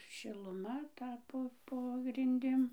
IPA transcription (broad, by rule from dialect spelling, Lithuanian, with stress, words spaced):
ʃʲɪlˠʊˈmɐ ˈtɐ ˈpoː poː ɡrʲɪnʲˈdʲɪm